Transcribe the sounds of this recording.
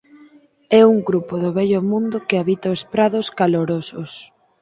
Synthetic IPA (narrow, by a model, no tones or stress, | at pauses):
ɛuŋɡɾupoðʊβɛʎomũnd̪ʊkɪaβit̪ɐospɾaðoskaloɾosos